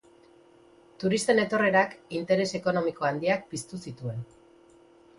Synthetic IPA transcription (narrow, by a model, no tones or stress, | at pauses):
t̪uɾist̪e̞ne̞t̪o̞re̞ɾakint̪e̞ɾe̞se̞ko̞no̞miko̞and̪iak̚pist̪usit̪ue̞n